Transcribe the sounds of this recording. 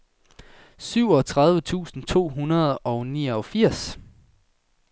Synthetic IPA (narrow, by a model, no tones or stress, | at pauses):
syʊ̰ɒ̽t͡sʰʁäðˠʋət͡sʰṵːsn̩t͡sʰo̝̰ːɦunɐð̞̩ˠɒ̽ʊniːɐɒfiɐ̰s